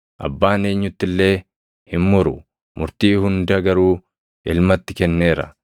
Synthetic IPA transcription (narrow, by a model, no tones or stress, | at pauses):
ʔɐ̰bːaːne̞ːɲːʊt̪ːɪlːe̞ː | hɪmmʊɾʊ | mʊɾt̪iːhʊnd̪ɐɡɐɾuː | ɪlmɐt̪ːɪkɛnːe̞ːɾɐ̰